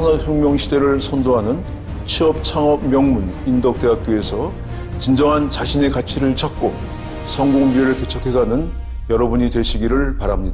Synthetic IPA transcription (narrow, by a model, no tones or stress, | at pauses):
sʰʌnʌhjoŋmjʌŋɕʰide̞ɾɯɭsʰʌndoɦanɯn | ɕʰiʌp̚t͡ɕʰaŋʌb̚mjʌŋmunindʌk̚t͈e̞ɦak̚k͈joe̞sʰʌ | t͡ɕind͡ʑʌŋɦant͡ɕaɕʰine̞kat͡ɕʰiɾɯɭt͡ɕʰak̚k͈o | sʰʌŋɡoŋbieɾɯɭke̞t͡ɕʰʌkʰe̞ɡanɯn | jʌɾʌbuɲidwe̞ɕʰiɡiɾɯɭpaɾamɲida